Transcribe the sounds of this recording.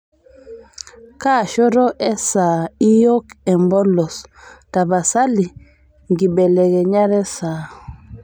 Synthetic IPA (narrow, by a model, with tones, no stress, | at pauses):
ka˦˨ʃɔ˦ɾɔ˦ʔɛ˦sa˨i˦jo˦kɛ˨mbɔ˦lɔ˨sta˨ba˨sa˦li˨ | ŋɡi˨bɛ˨lɛ˨ɡɛ˨ɲa˦ɾɛ˦sa˨